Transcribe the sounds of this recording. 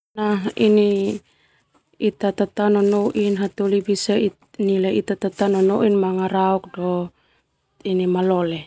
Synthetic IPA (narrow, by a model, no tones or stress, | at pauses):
naɦini | it̪at̪at̪anɔnoʔinɦat̪olibisai | nileit̪at̪at̪anɔnoʔinmaŋaɾauk̚dɔ | inimalɔle